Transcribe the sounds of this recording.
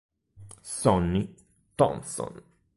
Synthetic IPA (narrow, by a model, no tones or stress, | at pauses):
sɔnːi | t̪ɔ̰nsɔ̰n